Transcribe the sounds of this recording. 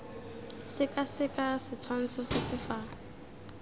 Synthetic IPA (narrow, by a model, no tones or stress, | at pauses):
sɪkʼasɪkʼasɪt͡sʰwan̩t͡sʰɔsɪsɪfa